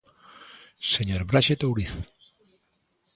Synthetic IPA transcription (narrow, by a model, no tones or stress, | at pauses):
seɲoɾbɾaʃet̪owɾiθ